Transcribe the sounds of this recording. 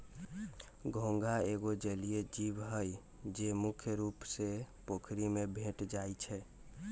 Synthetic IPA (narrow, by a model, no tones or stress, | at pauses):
ɡʱõŋɡaeɡod͡ʒəlijed͡ʒibɦəj | d͡ʒemukʰjəɾupsepokʰɾimebʱeʈd͡ʒajt͡ʃʰɛ